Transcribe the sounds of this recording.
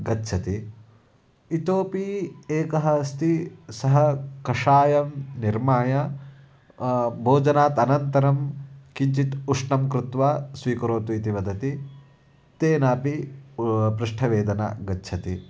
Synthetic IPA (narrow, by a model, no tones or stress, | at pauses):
ɡɐtːʃʰɐt̪i | it̪oːpiːeːkɐɦɐst̪isɐɦɐkɐʂaːjɐmniɾmaːjɐ | bʱoːd͡ʒɐnaːt̪ɐnɐnt̪ɐɾɐmkiɲt͡ʃit̪uʂɳɐmkɾut̪ʋaːsʋiːkɐɾoːt̪uit̪iʋɐd̪ɐt̪i | t̪eːnaːpi | pɾɪʂʈʰɐʋeːd̪ɐna̰ɡɐtːʃʰɐt̪i